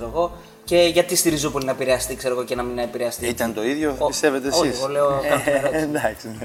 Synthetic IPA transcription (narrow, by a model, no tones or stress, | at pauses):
ɾoɣo̞ | ce̞ʝɐt̪ist̪iɾizo̞po̞linɐepiɾeɐst̪ikse̞ɾo̞ɣo̞cenɐminɐepiɾeɐst̪iit̪ɐnt̪o̞iðʝoist̪e̞ve̞t̪eosçiisɣo̞le̞okɐeɾoond̪ɐksine